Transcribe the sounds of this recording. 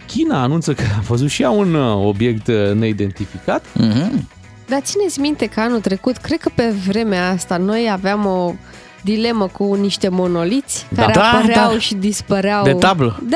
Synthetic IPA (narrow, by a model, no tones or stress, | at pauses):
kʲinaːnunt̪səkəavəzut̪ʃiaunobje̞kt̪ne̞id̪e̞nt̪ifikat̪̩ | d̪at̪sinet̪sʲmint̪e̞kəanult̪ɾe̞kut̪kɾe̞d̪̚kəpe̞vɾe̞meaast̪ano̞javeamo̞ | d̪ile̞məkuniʃt̪e̞mo̞no̞lit̪sʲd̪kaaɾeapəɾeawʃid̪ispəɾeaw̪et̪abləd̪